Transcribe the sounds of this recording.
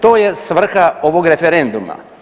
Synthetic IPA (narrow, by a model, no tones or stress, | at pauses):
t̪oːjesʋr̩xaoʋoɡɾefeɾend̪uma̰